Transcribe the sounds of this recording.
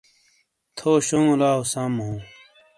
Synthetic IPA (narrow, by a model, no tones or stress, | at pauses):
t̪ʰoːɕoŋulaːusamɦũː